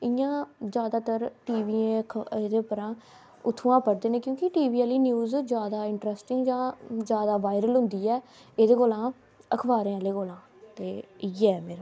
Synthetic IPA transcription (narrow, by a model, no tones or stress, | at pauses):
ɪjãːd͡ʒjaːd̪aːt̪əɾʈiːʋiːẽːd̪eːpəɾãː | ʊt̪ʰːuãːpəɽd̪eːnẽːkjõːkɪʈiːʋiːaːliːnjuːzd͡ʒjaːd̪aːɪɳʈɾɛːsʈɪŋɡd͡ʒãːd͡ʒjaːd̪aːʋaːɪɾəlɦʊ̃nd̪iːɛːeːd̪eːɡoːlãː | əkʰʋaːɾẽːaleːkoːlãː | t̪eːɪːɛːmeːɾaː